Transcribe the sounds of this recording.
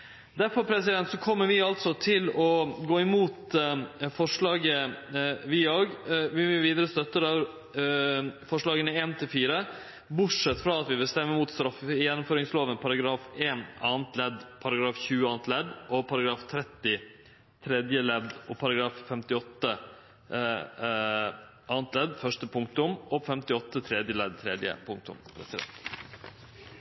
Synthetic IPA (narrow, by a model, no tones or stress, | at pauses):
d̪æɾfɔɾpʰɾɛsɪd̪ɛnt̪sɔkʰɔmːəɾʋɪɑlt̪sɔt̪ʰɪlɔɡoːɪmuːt̪ | fɔʂɭɑːɡə | ʋɪoːɡʋɪʋiːd̪əɾəst̪œt̪ːəɾɑ | fɔʂɭɑːɡənəeːnt̪ʰɪlfiːɾə | bʊʈʂɛt̪ːfɾɑːɑt̪ʋɪʋɪlst̪ɛmːəmuːt̪st̪ɾɑfɪjɛnːʊmføːɾɪŋsloːʋənpʰɑɾɑɡɾɑːfeːnɑːnt̪lɛd̪pʰɑɾɑɡɾɑːfçʉːəɑːnt̪lɛd̪ʔɔpʰɑɾɑɡɾɑːft̪ʰɾɛt̪ːɪ | t̪ʰɾɛd̪jəlɛd̪ɔpʰɑɾɑɡɾɑːffɛmt̪ɪɔt̪ːə | ɑːnt̪lɛd̪fœʂʈəpʰʊŋk̚t̪ʊmɔfɛmt̪ɪɔt̪ːət̪ʰɾɛd̪jəlɛd̪̚t̪ʰɾɛd̪jə̰pʰʊŋk̚t̪ʊ̰mpʰɾɛ̰sɪd̪ɛ̰nt̪